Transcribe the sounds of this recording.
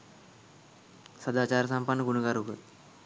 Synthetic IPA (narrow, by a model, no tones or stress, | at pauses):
səd̪at͡ɕaɾsəmpanːəɡuɳəɡaɾuɡət̪